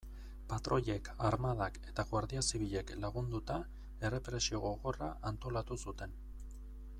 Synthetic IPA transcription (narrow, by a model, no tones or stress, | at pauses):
pat̪ɾo̞ʎe̞kʰaɾmaðake̞t̪aɣwaɾðiasiβiʎe̞klaɣund̪ut̪a | e̞re̞pɾe̞sio̞ɣo̞ɣo̞raʔant̪o̞lat̪usut̪e̞n